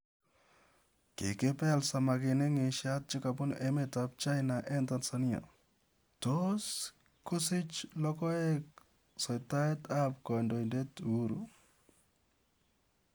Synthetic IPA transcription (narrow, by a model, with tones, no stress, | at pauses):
kḛ˨ke˦pɛ˦lsa˨ma˨kɪ˨ne˦ŋe˨ʃat̚t͡ʃɪ˦ka˨pʊ˦ne˦me˨tap̚t͡ʃa˦jna˨ʔɛ˦nta˨nsania̰˨ | tos | ko˦sɪ˦t͡ʃlɔ˦kɔ˦e˦k̚ | sɔ˨jta˦e˦ta˦p̚kɔ˨ndo˨inde˦tuɾṵ